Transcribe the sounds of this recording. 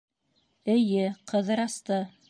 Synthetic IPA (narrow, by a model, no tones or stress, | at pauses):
ɘ̆jɘqʰɤ̆ðɤɾɑst̪ɤ